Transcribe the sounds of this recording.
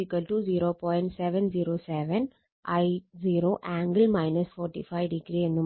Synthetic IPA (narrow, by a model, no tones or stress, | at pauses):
ikɐlʈud͡ʒiːɾoːpɔːjɪ̃ɳʈsɛʋɛ̃nd͡ʒiːɾoːsɛʋɛ̃n | ʔaɪziːɾoːʔãːŋɡəlmaɪnɐsfɔːɾʈḭfaɪʋɖiɡɾiẽnːu